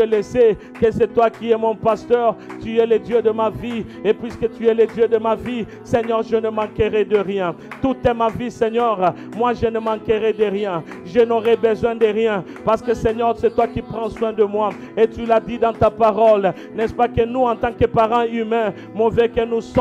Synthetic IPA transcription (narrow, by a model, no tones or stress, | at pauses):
əlesɛ | kəsɛt̪wakiɛmɔ̃past̪œʁt̪yɛlɛd̪jød̪əmaviepɥiskət̪yɛlɛd̪jød̪əmavi | sɛɲœʁʒənəmɑ̃kəʁɛd̪əʁjɛ̃ | t̪ut̪ɛmavisɛɲœʁ | mwaʒənəmɑ̃kəʁɛd̪əʁjɛ̃ | ʒənɔʁɛbəzwɛ̃d̪əʁjɛ̃ | paʁsə̥kəsɛɲœʁsɛt̪wakipχɑ̃swɛ̃d̪əmwa | et̪ylad̪id̪ɑ̃t̪apaʁɔl | nɛspakənuɑ̃t̪ɑ̃kəpaʁɑ̃ymɛ̃ | mɔvɛkənus